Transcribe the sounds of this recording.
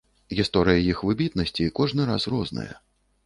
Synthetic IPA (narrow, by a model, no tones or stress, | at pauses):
ɣʲist̪ɔɾɨjɐjixvɨbʲit̪̚nɐsʲt͡sʲikɔʐnɨɾa̰srɔznɐ̰jɐ̰